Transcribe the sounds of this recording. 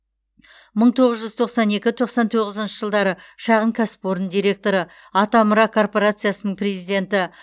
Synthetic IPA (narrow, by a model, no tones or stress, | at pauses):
məɴt̪ʰo̞ʁəzʒʏzt̪ʰo̞qsɑne̞kʲɪt̪ʰo̞qsɑnt̪ʰo̞ʁəzənʃəʒəlˠd̪ɑɾəʃɑʁəɴkʲʰæsɪ̥poɾənd̪ijɾʲe̞k̚t̪o̞ɾə | ɑt̪ɑməɾɑkʰo̞rpo̞ɾat̪sɨjasənəɴpʰrʲe̞zijd̪ʲe̞nt̪ɪ